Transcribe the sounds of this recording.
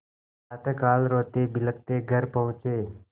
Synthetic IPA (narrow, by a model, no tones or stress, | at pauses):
at̪əkaːlɾoːt̪ebɪləkt̪eːɡʱəɾpəɦʊ̃t͡ʃeː